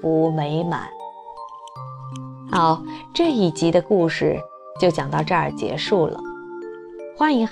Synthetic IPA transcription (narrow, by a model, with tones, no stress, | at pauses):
fu˧˥me˧˥ɪma̰˨˩˦n | a˥˧˩ʊʈ͡ʂɤ˥˩i˨˩t͡ɕi˧˥d̪ə˧ku˥˧ʂɻ̩˥˩ | t͡ɕjo˥˩ʊt͡ɕjɑ˨˩ŋt̪ɑ˥˧ʊʈ͡ʂɤ˥˩ə̰˞˨˩t͡ɕjɛ̰˧˥ʂu˥˩lə̰˩ | xwa˧˥ni˧˥ŋ